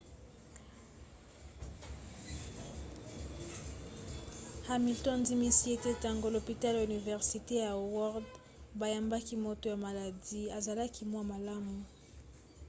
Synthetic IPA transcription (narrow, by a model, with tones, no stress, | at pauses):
ha˨mi˨ltɔ˦nzi˦mi˦si˦e˦te˦ta˨ŋɡo˦lo˨pi˨ta˦la˨y˨ni˨vɛ˨ʁsi˨te˦ja˨wɔ˦ʁd | ba˨ja˨mba˦ki˦mo˦to˨ja˨ma˨la˨di˦a˨za˨la˦ki˦mwa˦˨ma˨la˦mu˨